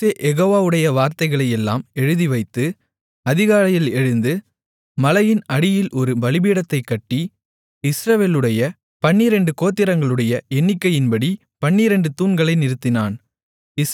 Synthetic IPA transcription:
eːʔɛɣoːʋaːʋɯɽɐjɐʋaːɾt̪ɐɪɣɐɭɐjɛlːa̰ːmɛɻɯðiʋɐɪt̪ːɯ | ɐðɪɣaːɾɐjɪlɛɻɯnd̪ɯ | mɐlɐjɪnɐɽɪjɪlʔɔɾɯbɐlɪbiːɽɐt̪ːɐɪkːɐʈːi | ɪsɾɐʋeːlɯɽɐjɐ | pɐɳːiɾɛɳɖɯkoːt̪ːɪɾɐŋɡɐɭɯɽɐjɐɛɳːɪkːɐjɪnbɐɽi | pɐɳːiɾɛɳɖɯt̪uːnɡɐɭɐɪnɪɾɯt̪ːɪnaːn | ɪ

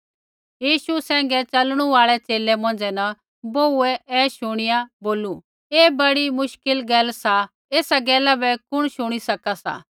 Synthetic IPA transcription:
jiːʃusɛ̃ːŋ̆ɡɛt͡ʃɐlɽ̃uaːɭɛt͡ʃeːlɛmɐ̃n̆d͡zɛnɐ | boːuɛɛːʃʊɽ̃ijaboːlu | eːbɐɽimʊʃkɪlɡɛːlsa | eːsaɡɛːlabɛkʊɽ̃ʃʊɽ̃isɐkasa̰ː

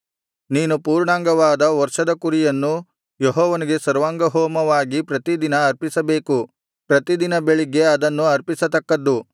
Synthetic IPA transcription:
niːnupuːɾɳaːŋɡɐʋaːd̪ɐʋɐɾʂɐd̪ɐkuɾijɐnːu | jɔɦɔːʋɐniɡe̞sɐɾʋaːŋɡɐɦɔːmɐʋaːɡipɾɐt̪id̪inɐːɾpisɐbe̞ːku | pɾɐt̪id̪inɐbeɭiɡe̞ɐd̪ɐnːuɐɾpisɐt̪ɐkːɐd̪ːu

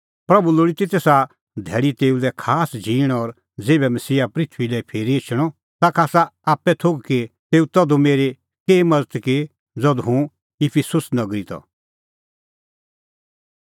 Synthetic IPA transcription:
pɾɐbuloːɽit̪it̪esa | d̪ʱɛːɽit̪eːulɛkʰaːsd͡ʒiːɽ̃ɔɾ | d͡zeːbɛmɐsiːapɾɪt̪ʰʋilɛpʰeːɾiet͡ʃʰɽ̃ɔ | t̪akʰaːsaaːpːɛt̪ʰoɡkit̪eːut̪ɐd̪umeːɾe | keːmɐd͡zət̪ki | d͡zɔd̪ɦũ | ɪpʰisʊsnɐɡɾit̪ɔ̰

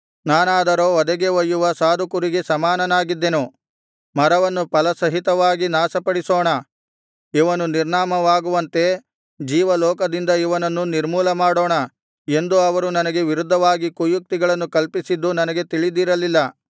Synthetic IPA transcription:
naːnaːd̪ɐɾoːɔd̪ɐɡe̞ʋɐjːuʋɐsaːd̪ʱukuɾiɡesɐmaːnɐnaːɡid̪ːenu | mɐɾɐʋɐnːupɐlɐsɐɦit̪ɐʋaːɡinaːsɐpɐɽisoːɳɐ | iʋɐnuniɾɳaːmɐʋaːɡuʋɐnt̪e̞ | d͡ʒiːʋɐlɔːkɐd̪ind̪ɐiʋɐnɐnːuniɾmuːlɐmaːɽoːɳɐ | e̞nd̪uɐʋɐɾunɐnɐɡe̞ʋiɾud̪ʱːɐʋaːɡikujuk̚t̪iɡɐɭɐnːukɐlpisid̪ːunɐnɐɡe̞t̪iɭid̪iɾɐlːilːɐ

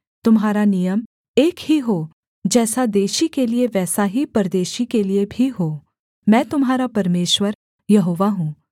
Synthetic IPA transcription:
t̪ʊmɦaːɾanijəm | eːkɦiɦoː | d͡ʒɛːsad̪eːʃikelieʋɛːsaɦipɐɾd̪eːʃikeliebʱiɦoː | mɛ̃ːt̪ʊmɦaːɾapɐɾmeːʃʋəɾ | jɐɦoːʋaɦũː

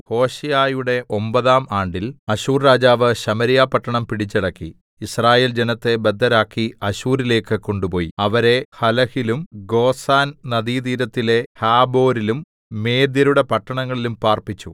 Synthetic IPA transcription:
ho̞ːɕijaːjuɽe̞ʔo̞mbɐðaːmaːɳɖilɐɕuːrɾaːd͡ʑaːʋɨɕɐmɐɾijaːpɐʈːɐɳɐmpiɽit͡ɕːiɽɐkːḭ | israːjeːld͡ʑe̞nɐt̪ːe̞bed̪ʱːɐɾaːkːiɐɕuːɾile̞ːkːɨko̞ɳɖupo̞ːjiɐʋɐɾe̞hɐlɐhilumɡo̞ːsaːnnɐðiːd̪iːɾɐt̪ːile̞haːbo̞ːɾilumː | e̞ːd̪jɐɾuɽe̞pɐʈːɐɳɐŋːɐɭilumpaːrpit͡ɕːu

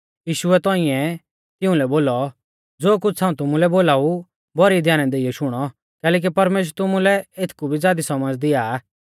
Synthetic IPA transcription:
jiːʃʊɛt̪ɔ̃ːĩɛ̃ | t̪ɪũlɛboːlɔ | d͡zoːk̬ʊt͡ʃʰãːũt̪ʊmũlɛboːlaːu | bɔɾid̪ʱjaːnɛ̃d̪eːiɔʃʊɽ̃ɔ | kɛːlɛːk̬ipɐɾmeːʃ̬ɾɛt̪ʊmulɛet̪ʰkubʱid͡zjaːd̪isɐməd͡zd̪ɪa

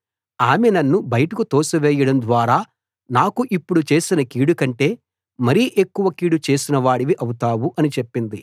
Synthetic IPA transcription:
aːmɛnɐnːubɐjɐʈɐkut̪ɔːsɐʋɛːjɐɽɐmd̪ʋaːɾaː | naːkuʔipːuɽut͡ʃe̞ːsinɐkiːɽukɐɳʈe̞ː | mɐɾiʔe̞kːuʋɐkiːɽut͡ʃeːsinɐʋaːɽiʋiʔɐwut̪aːwuʔɐnit͡ʃe̞pːind̪i

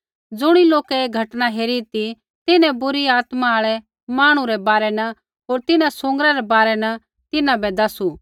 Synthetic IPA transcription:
d͡zʊɽ̃iloːkɛeːɡʱɐʈñaɦeːɾit̪i | t̪ɪnɛ̃bʊɾiaːt̪maaːɭɛ | maːɽ̃ũɾɛbaːɾɛnɐ | ɦoːɾt̪ɪnãsʊ̃ŋɡəɾaɾɛbaːɾɛnɐ | t̪ɪnãbɛd̪ɐsu

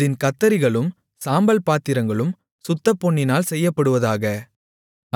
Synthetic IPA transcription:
ðɪnkɐt̪ːɐɾɪɣɐɭɯm | saːmbɐlpaːt̪ːɪɾɐŋɡɐɭɯm | sʊt̪ːɐpːɔɳːɪnaːlsɛjːɐpːɐɽɯʋɐðaːɣɐ

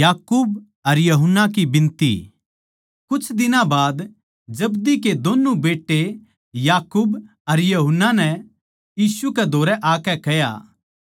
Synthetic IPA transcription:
jaːkuːb | ɐɾjɐɦʊnːak̬ibɪ̃nt̪ḭ | kʊt͡ʃʰd̪ɪnãbaːd̪ | d͡ʒɐbd̪iked̪oːnːubeːʈːe | jaːkuːb | ɐɾjɐɦʊnːanɛ | jiːsuked̪ʱoːɾɛʔaːkɛkɐja̰ː

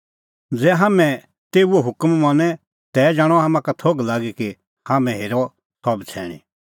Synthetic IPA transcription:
d͡zɛːɦaːmɛ̃ | t̪eːuɔɦʊkmmanɛ | t̪ɛd͡ʒaːɽ̃ɔɦaːmãkat̪ʰoɡlaːɡiki | haːmɛ̃ɦeːɾɔ | sʰɔbt͡sʰɛ̰ːɽ̃ḭ

